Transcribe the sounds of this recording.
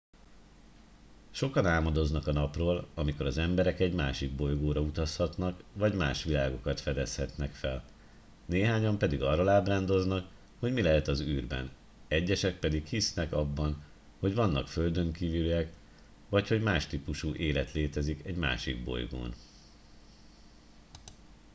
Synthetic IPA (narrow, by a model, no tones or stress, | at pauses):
ʃo̞kɒnaːmɒd̪o̞znɒkɒnɒproːlɒmiko̞ɾɒzɛmbɛɾɛkɛɟmaːʃiɡ̚bo̞jɡoːɾɒut̪ɒshɒt̪nɒkvɒɟmaːʃʋilaːɡo̞kɒt̪fɛd̪ɛshɛt̪nɛkfɛl | neːɦaːɲɒmpɛd̪iɡɒrːolaːbraːnd̪o̞znɒk | ho̞ɟmilɛɦɛt̪ɒzyːrbɛ̰n | ɛɟːɛʃɛk̚pɛd̪ikhisnɛkɒbːɒn | ho̞ɟvɒnːɒkfø̞ld̪ø̞ŋkiviljɛk | ʋɒcho̞ɟmaːʃt̪ipuʃuːʔeːlɛt̪leːt̪ɛzikɛɟma̰ːʃḭɡ̚bo̞̰jɡo̰ːn